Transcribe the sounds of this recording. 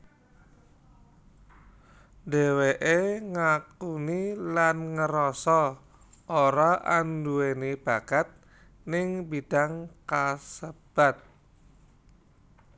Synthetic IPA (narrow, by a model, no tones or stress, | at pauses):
d̥eweʔeŋakunilanŋəɾɔsɔ | ʔoɾaʔanduenib̥akat̪̚ | nɪŋbid̥a̤ŋkasəb̥a̤t̪̚